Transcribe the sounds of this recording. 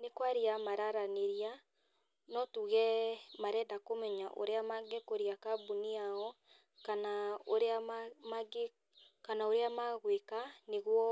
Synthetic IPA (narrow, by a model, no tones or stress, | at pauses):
nekwaɾiamaɾaɾaneɾia | nɔtuɣɛmaɾɛdakomɛɲaʔo̰ɾeamaɡɛkoɾiakabuniaɔ | kanaoɾeamaɡe | kanaoɾeamaɣwekaneɣwɔ